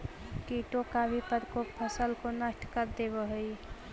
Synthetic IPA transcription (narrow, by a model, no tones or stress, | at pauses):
kiʈokabʱipəɾkok̚pʰəsəlkonəʈʰkəɾd̪ebəɦəj